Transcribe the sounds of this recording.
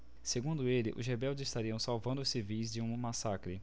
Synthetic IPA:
seɡũnd̪ʊelɪ̰ʔʊ̰zɦebɛwd͡ʒɪzɪst̪aɾiɐ̃w̃sawvɐ̃nd̪ʊsivijz̬d͡ʒɪũmɐmasakɾɪ

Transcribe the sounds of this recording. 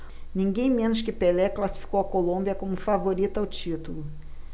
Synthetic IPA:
nĩŋɡẽj̃mẽnʊʃkɪpelɛklasi̥fi̥kowɐkolõmbiɐkõmʊfavoɾit̪ʊawt͡ʃit̪ulʊ

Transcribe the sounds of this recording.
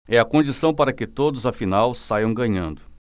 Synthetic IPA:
ɛɐkõd͡ʒisɐ̃w̃paɾɐkɪt̪od̪ʊzɐfinawsajɐ̃w̃ɡɐ̃ɲɐ̃nd̪ʊ

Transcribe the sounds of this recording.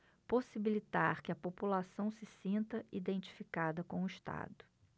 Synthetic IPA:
posibilit̪aɾkɪɐpopulasɐ̃w̃sɪsĩnt̪ɐid̪ẽnt͡ʃi̥fikad̪ɐkõʊiʃt̪a̰d̪ʊ̥

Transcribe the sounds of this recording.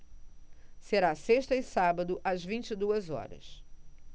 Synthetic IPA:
seɾaseʃt̪ɐɪsabɐd̪ʊʔɐzvĩnt͡ʃid̪uɐzɔ̰ɾɐ̰s

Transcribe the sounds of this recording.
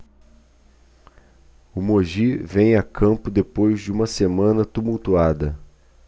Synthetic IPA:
ʊmoʒivẽj̃akʰɐ̃mpʊd̪epojzd͡ʒɪũmɐsemɐ̃nɐt̪umuwt̪uad̪ɐ

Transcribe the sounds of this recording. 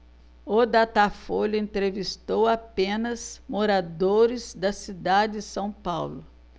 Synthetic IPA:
od̪at̪afoʎʊẽnt̪ɾevist̪owapẽnɐzmoɾad̪oɾɪzd̪ɐsid̪ad͡ʒɪsɐ̃w̃pawlʊ

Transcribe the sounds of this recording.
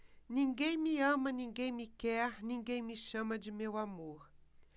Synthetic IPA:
nɪŋɡejmiamaniŋɡejmikeahnɪŋɡejmiʃamad͡ʒimewamoχ

